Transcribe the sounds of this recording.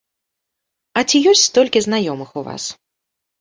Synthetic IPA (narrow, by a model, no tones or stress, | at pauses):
ɐt͡sʲijɔsʲt͡sʲst̪ɔlʲkʲiznajɔmɨxuva̰s